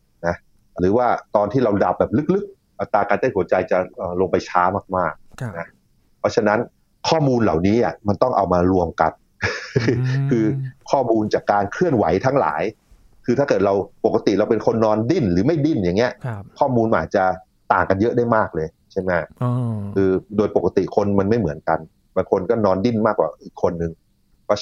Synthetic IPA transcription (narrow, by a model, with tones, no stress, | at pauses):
na˦˥ | ɾɯː˩˦waː˥˩t̪ɔː˧nt̪iː˥˩ɾa˧wda˨˩p̚bɛː˨˩p̚lɯ˦˥k̚lɯ˦˥k̚ | ʔa˨˩t̪ɾaː˧kaː˧nt̪a˥˩nhu˩˦ət͡ɕa˧jt͡ɕa˨˩ʔəː˨˩lo˧ŋpa˧jt͡ɕʰaː˦˥maː˥˩k̚maː˥˩k̚na˦˥ | pʰɔ˦˥t͡ɕʰa˧na˦˥n | kʰɔː˥˩muː˧nla̰˨˩wniː˦˥ʔa˨˩ma˧nt̪ɔ˥˩ŋʔa˧wmaː˧ɾu˧əmka̰˧n | kʰɯː˧kʰɔː˥˩muː˧nt͡ɕaː˨˩kːaː˧nkʰɯ˥˩ənwa̰˩˦jt̪ʰa˦˥ŋla̰ː˩˦j | kʰɯː˧t̪ʰaː˥˩ɤː˨˩t̪̚ɾa˧wpo˨˩kːa˧t̪i˨˩ɾa˧wpe˧nkʰo˧nːɔː˧ndi˥˩nlɯː˩˦ma˥˩jdi˥˩nja˨˩ŋːi˦˥ɐkʰɔː˥˩muː˧nma˧ʔːt̪̚t͡ɕa˨˩ | t̪aː˨˩ŋka˧njɤ˦˥ʔdaː˥˩jmaː˥˩k̚lɤː˧j | t͡ɕʰa˥˩jma˦˥˩ʔɯː˧doː˧jpo˨˩kːa˧˥t̪i˨˩kʰo˧nma˧nma˥˩jmɯ˩˦ənka˧n | baː˧ŋkʰo˧nkɔː˥˩nɔː˧ndi˥˩nmaː˥˩k̚ːwa̰ː˨˩ʔiː˨˩kʰːo˧nːɯ˧ŋ | pʰɔ˦˥